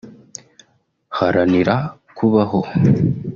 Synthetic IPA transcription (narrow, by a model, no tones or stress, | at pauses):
haɾaniɾa | kʰuβaɦo